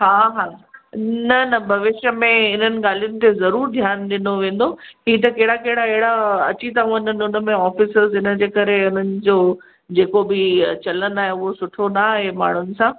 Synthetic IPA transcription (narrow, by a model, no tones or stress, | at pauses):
ɦaːɦaː | nɐnɐbʱɐʋɪʃjəmẽɪn̤ənɪ̆ɠaːlijʊnɪ̆t̪ʰezɐɾuːɾd̪ʱjaːnɗɪnoʋẽːn̆d̪oɦiːt̪̬ɐkeɦɪɽakeɦɪɽaɛɦɪɽaɐt͡ɕit̪ɐɦũnənʊnə̆mẽɔːfɪsəɾzɪnə̆d͡ʑeːkɐɾeʊn̤ənɪ̆d͡ʑoː | d͡ʑeːkobɪt͡ɕɐlənaːɦeʊɦosʊʈʰonaɦema̰ːɳ̤ʊnɪ̆sãː